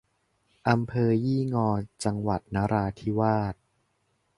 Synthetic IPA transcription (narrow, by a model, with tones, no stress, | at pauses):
ʔa˧mpʰɤː˧jiː˥˩ŋɔː˧t͡ɕa˧ŋwa˨˩t̪̚naː˦˥ɾaː˧t̪ʰi˦˥waː˥˩t̪̚